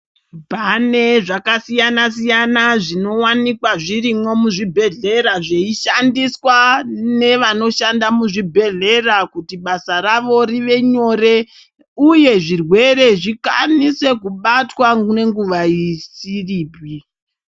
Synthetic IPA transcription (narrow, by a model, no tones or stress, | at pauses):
bʱane̞ʐakasijanas̬ijanaʐino̞wanikwaʐiɾimo̞muʐibʱe̞ɮe̞ɾaʐeiʃandiswane̞ʋano̞ʃandamuʐibʱe̞ɮe̞rakutiɓasaɾaʋo̞ɾiʋe̞ɲo̞ɾe̞ | uje̞ʐirwe̞ɾe̞ʐika̰nise̞kuɓatwane̞ŋɡuʋaisiriːbʱi